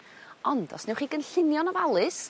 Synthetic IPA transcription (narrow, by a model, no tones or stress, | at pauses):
ɔnd̥ɔ̰snɛwχiːɡənɬɪnjɔnɔvalˠɨs